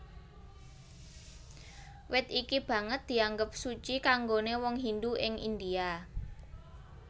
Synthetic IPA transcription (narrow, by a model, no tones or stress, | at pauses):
wɪt̪ikib̥ä̤ŋət̪̚d̪̥i̤aŋɡəp̚sut͡ʃikaŋɡonewɔŋɦind̪uɪŋʔḭnd̪ia